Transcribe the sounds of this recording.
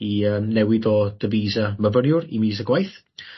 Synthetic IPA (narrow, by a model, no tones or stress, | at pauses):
iəːmnɛwɪdɔd̥əviːzaməvənjʊɾimiːzəɡwajθ